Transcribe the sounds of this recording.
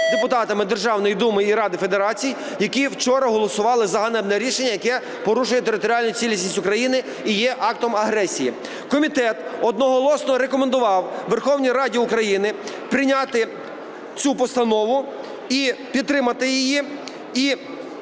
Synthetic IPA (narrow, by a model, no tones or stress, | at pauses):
d̪epʊt̪ɑt̪ɐmɪd̪erʒɑwnɔjid̪umɪiɾɑd̪ɪfe̞d̪eɾɑt͡sʲij | jɐkiwt͡ʃɔɾɐɦɔlˠɔsʊʋɑlˠɪzɐɦɐnɛbnɛɾʲiʃenʲːɐjɐkɛ | pɔɾuʃʊjɛt̪eɾɪt̪ɔɾʲɑlʲnʊt͡sʲilʲisʲnʲisʲʊkɾɐjinɪ | ijɛʔɑk̚t̪ɔmɐɦɾɛsʲiji | kɔmʲit̪ɛt̪ɔd̪nɔɦɔlˠɔsnɔɾekɔmend̪ʊʋɑwʋerxɔwnʲijɾɑdʲiʊkɾɐjinɪ | pɾɪnʲɑt̪ɪ | t͡sʲupɔst̪ɐnɔʋʊ | ipʲid̪t̪ːɾɪmɐt̪ɪjɪji | i